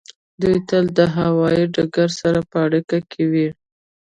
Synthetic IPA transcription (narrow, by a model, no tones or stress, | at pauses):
d̪ujt̪əld̪əɦawɑjiɖaɡaɾsaɾapəaɽikakʰewi